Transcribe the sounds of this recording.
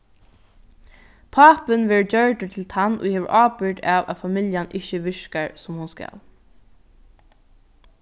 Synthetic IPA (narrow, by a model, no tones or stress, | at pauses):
pʰaːpɪnʋeːɹd͡ʒœɹʈət̪ʰɪlt̪ʰanːʊ̰heːʋəɹʔaːpʏɹʈaːʋa̰famɪljanʔɪçəʋɪɹkaɹsʊmhʊnska̰l